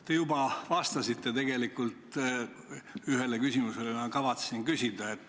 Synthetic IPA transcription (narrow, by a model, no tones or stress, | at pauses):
t̪e̞jubɑvɑst̪ɑsit̪ːe̞t̪e̞ɡe̞likːˑult̪ | yɦe̞lekysʲimuselemɑkɑvɑt̪sesinkysʲid̪̥ɑet̪ː